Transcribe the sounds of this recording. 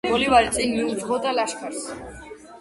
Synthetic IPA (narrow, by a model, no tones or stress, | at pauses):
ɡɔlivaɾit̪sʼinmiud͡ʒʁɔd̪alaʃkʰaɾs